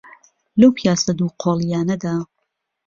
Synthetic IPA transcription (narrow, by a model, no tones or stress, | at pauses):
lɐwpʰijaːsɐd̪uːqʰoːlˠijaːnɐd̪aː